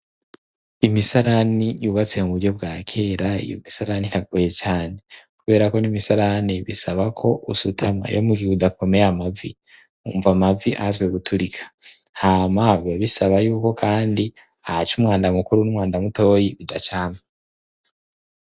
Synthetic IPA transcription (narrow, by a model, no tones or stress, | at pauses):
imisaɾanijuβat͡se̞muβuɾɟo̞b̚ɡaːkʰe̞ːɾaḭjo̰misaɾaniɾaɡ̚ujet͡ʃaːne̞kuβe̞ːɾako̞nimisaɾaniβḭsaβakʰo̞ʔusutʰama̰jomuɡiudako̞mejamavi | uɱvamaviʔahzwe̞ɡutʰuɾikʰḁ | hamaviaβisaβajuːko̞kʰaːndi | ahat͡ʃumŋaːndamukuɾunumŋaːndamuto̞ːjiβidat͡ʃaːma